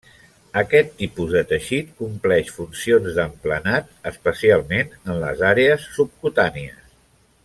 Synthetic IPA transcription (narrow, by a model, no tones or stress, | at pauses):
əkɛt̪ːipuzðət̪əʃit̪kumplɛʃfunsionzðəmplənat̪̚əspəsialˠmenənlə̰zaɾeəsːup̚kut̪aniə̰s